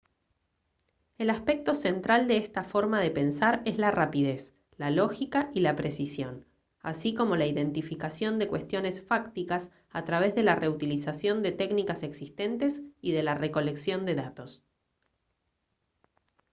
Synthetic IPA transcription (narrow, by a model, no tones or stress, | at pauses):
e̞laspe̞k̚t̪o̞se̞nt̪ɾald̪eest̪afo̞ɾmaðe̞pe̞nsaɾe̞zlarapið̞e̞s | lalo̞xikaʔilapɾe̞sisjo̞n | a̰siko̞mo̞laiðe̞nt̪ifikasjo̞nd̪e̞kwest̪jo̞ne̞sfakt̪ikas | at̪ɾaβ̞ezðe̞lare̞ut̪ilisasjo̞nd̪e̞t̪eknikase̞ksist̪e̞nt̪esiðe̞lare̞ko̞le̞ksjo̞nd̪e̞ðat̪o̞s